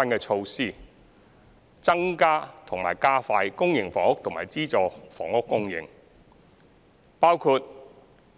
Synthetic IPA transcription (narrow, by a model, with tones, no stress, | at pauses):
ɐ˥nkɛː˧t͡ʃʰo˧wsiː˥˩ | t͡sɐ˥ŋkaː˥t̪ʰʊ˨˩ŋma̰ː˨˩jkaː˥faː˧jkʊ˥ŋjɪ˨˩ŋfɔː˨˩ŋʊ˥k̚t̪ʰʊ˨˩ŋma̰ː˨˩jt͡siː˥t͡sɔː˨˩fɔ̰ː˨ŋʊ˥kːʊ˥ŋjɪ̰˨˩ŋ | paː˥wkʰuː˧t̚